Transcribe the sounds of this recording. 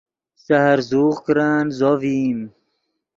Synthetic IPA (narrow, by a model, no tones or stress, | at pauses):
sahaɾzuːʁkɾaːnzoviːm